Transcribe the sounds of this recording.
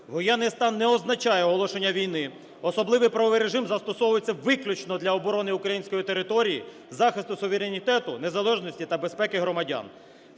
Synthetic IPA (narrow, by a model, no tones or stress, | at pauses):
ʋɔjɛnːɪjst̪ɑnːɛɔznɐt͡ʃɑjɛɔɦɔlˠɔʃenʲːɐʋʲijnɪ | ɔsɔblˠɪʋɪjpɾɐɔʋɪjɾeʒɪmzɐst̪ɔsɔʋʊjet͡sʲːɐʋɪklʲut͡ʃnɔd̪lʲɐɔbɔɾɔnɪukɾɐjinʲsʲkɔjit̪eɾɪt̪ɔɾʲiji | zɑxɪst̪ʊsʊʋeɾenʲit̪ɛt̪ʊne̞zɐlˠɛʒnɔsʲtʲit̪ɐbe̞spɛkɪɦɾɔmɐdʲa̰n